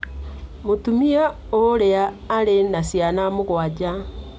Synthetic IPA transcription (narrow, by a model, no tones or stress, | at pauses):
motumia | oɾeaː | ɾenasjanamoɣwad͡ʑa